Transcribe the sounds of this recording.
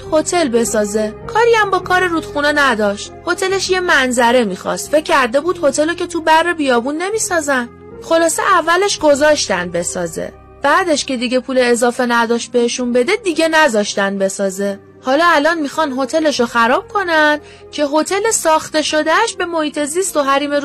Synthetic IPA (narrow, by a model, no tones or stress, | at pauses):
ho̞t̪ʰe̞lbe̞sɒːze̞kʰɒːɾiæmbɒːkʰɒːɾeɾud̪̥xunenæd̪ɒːʃt̪̚ho̞t̪ʰe̞leʃje̞mænzæɾe̞miːxɒ̰st̪fecʰʲcːæɾd̪e̞buːd̪̥ho̞t̪ʰe̞locʰe̞t̪ʰubærːebijɒːbunːe̞miːsɒːzæn | xo̞lɒːsḛʔævːæleʃɡo̞zɒːʃt̪ænd̪̚be̞sɒ̰ːzḛ | b̥æːd̪e̞ʃce̞d̪iɟe̞pʰuːleːzɒːfe̞næd̪ɒːʃt̪̚be̞heʃunbe̞d̪e̞d̪iɟe̞næzɒʃt̪ænbe̞sɒːze̞ | hɒːlɒːælɒnmixɒnɦo̞t̪ʰe̞le̞ʃoxæɾɒːb̥̚kʰo̞nænd̪̥ | cʰe̞ɦo̞t̪ʰe̞le̞sɒːxt̪e̞ʃo̞d̪æʃbe̞mo̞hiːt̪ʰe̞zist̪oɦæɾiːme̞ɾ